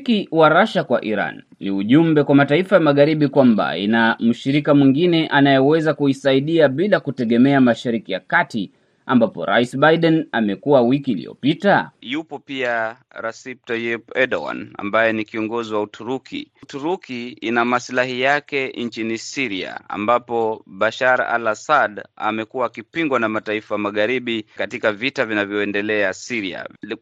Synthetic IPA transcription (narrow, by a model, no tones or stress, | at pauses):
kiwaɾaʃakwaʔiɾa̰nːiuʄumbɛkwamataifajamaɣaɾiɓikwamba̰ḭnam̩ʃiɾikamwiŋɡinɛʔanajɛwɛzakuisaiɗiaɓilakutɛɠɛmɛamaʃaɾikija̰kati | ambapɔ̰ɾa̰isɓajiɗɛnamɛkuawikiːlḭjɔ̰pitajupɔpia | ɾasip̚tajɛpɛɗɔwa̰na̰mbajɛnikiɔŋɡɔziwautʰuɾukʰḭtuɾukʰiinamaslahijakɛnt͡ʃinisiɾia̰a̰mbapɔɓaʃaɾa̰lasada̰mɛkuwaːkipiŋɡwanamataifajamaɣaɾiɓikatikavitavinavjɔɛndɛlɛasiɾia̰